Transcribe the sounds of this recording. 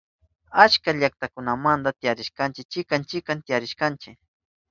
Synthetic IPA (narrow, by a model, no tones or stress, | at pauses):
at͡ʃkaʎak̚t̪akʊnamand̪at̪ɪjaɾɪʃkant͡ʃɪk̚t͡ʃɪkant͡ʃɪkant̪ɪjaɾɪʃkant͡ʃɪk